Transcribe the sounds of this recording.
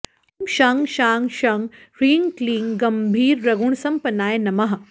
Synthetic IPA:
mʃaːŋʃaːŋɡʃaŋ | ɾiːŋkliːŋɡɐmbʱiːɾːɐɡuɳ̃sɐmpɐnaːjnɐmɐɦɐ

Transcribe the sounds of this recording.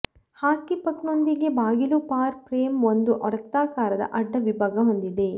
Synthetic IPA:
haːkipɐkno̞nd̪iɡe̞baːɡilupaːɾpɾeːmo̞nd̪uʔɔɽɐt̪ːaːkaːɾɐd̪ɐ̰ʔɐɖːɐʋibʱaːɡɐɦo̞nd̪id̪e̞

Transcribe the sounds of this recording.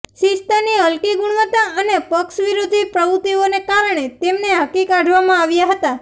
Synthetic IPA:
ʃist̪aniəlkiɡʊɳ̃ʋət̪aənepəkʃʋiɾud̪ʱːipɾəʋut̪ionekaɾɳ̃et̪emneɦəkikaɖʱʋamãaʋjaɦət̪a

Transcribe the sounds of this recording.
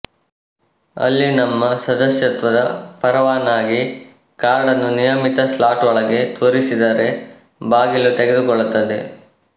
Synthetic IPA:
ɐ̰lːinɐmːɐsɐd̪ɐsjɐt̪ʋɐd̪ɐpɐɾɐʋaːnaːɡi | kaːɾɖɐnːunijɐmit̪ɐslaːʈɐɭɐɡe̞t̪oːɾisid̪aːɾe̞ | baːɡilut̪eɡe̞d̪ukɔɭːut̪ːɐd̪e̞

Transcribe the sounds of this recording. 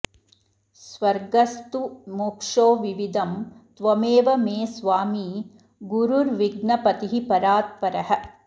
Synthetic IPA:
sʋɐɾɡɐst̪umoːkʂoːʋiʋid̪ɐmt̪ʋɐmeːʋɐmeːsʋaːmiː | ɡuɾuɾʋiɡnɐpɐt̪iɦipɐɾaːt̪̚pɐɾɐɦɐ̆

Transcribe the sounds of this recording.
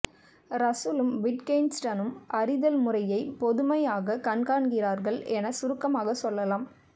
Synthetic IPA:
ɾɐsulɯmʋɪʈkɐnsʈɐnɯmʔɐɾɪðɐlmʊrɐjɐɪpɔðɯmɐjaːɣɐkɐɳkaːɳɡɪraːɾɣɐɭʔɛnɐsʊɾɯkːɐmaːɣɐsɔlːɐlaːm

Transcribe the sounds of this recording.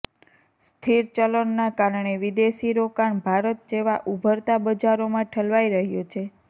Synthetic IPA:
st̪ʰiɾt͡ʃələnːakaɾɳeʋid̪eʃiɾokaɳbʱaɾət̪̚d͡ʒeʋaʔubʱəɾt̪abəd͡ʒaɾomãʈʰəlʋaiɾəɦjot͡ʃʰe

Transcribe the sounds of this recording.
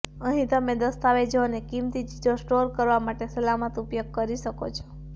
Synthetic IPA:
əɦĩt̪əmed̪əst̪aʋed͡ʒonekimt̪id͡ʒit̪osʈoɾkəɾʋamaʈesəlamət̪upjoɡ̚kəɾiʃəkot͡ʃʰɔ̥

